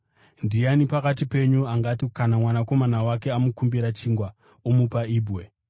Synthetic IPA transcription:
ndijanipakatipe̞ɲuaŋɡatikanamwanako̞manawake̞amukumbiɾat͡ʃiːŋɡwa | omupaiːbwe

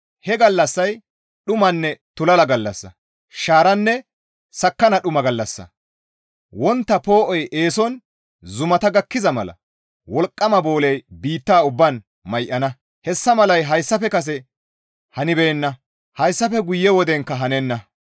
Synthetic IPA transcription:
hɛɡɐlːɐsːɐj | ɗʊmɐnːɛt̪ʊlɐlɐɡɐlːɐsːɐ̰ | ʃaːɾɐnːɛ | sɐkːɐnɐɗʊmɐɡɐlːɐsːɐ̰ | wɔnt̪ːɐpo̞ːʔɔje̞ːsɔn | zʊmɐt̪ɐɡɐkːɪzɐmɐlɐ̰ | wɔlkʼːɐmɐbo̞ːlɛjbiːt̪ːaːʊbːɐn | mɐjʔːɐnɐ | hɛsːɐmɐlɐjɦɐjsːɐfɛkɐs̬ɛ | hɐnɪbeːnːɐ | hɐjsːɐfɛɡʊjːɛwɔd̪ɛŋkːɐɦɐnɛnːɐ

